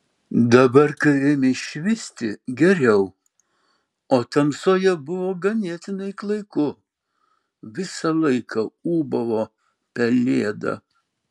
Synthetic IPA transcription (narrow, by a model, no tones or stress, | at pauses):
d̪ɐbɐɾkɐɪɾʲɪmʲɪʃʲʋʲɪsʲt̪ʲɪɡʲɛɾʲɛʊ | oːt̪ɐmsoːjɛbʊʋoːɡɐnʲeɛt̪ʲɪnɐɪklˠɐɪkʊ | ʋʲɪsɐlˠɐɪkʰɑuːbɐʋoː | pʲɛlʲeːɛd̪ɐ̰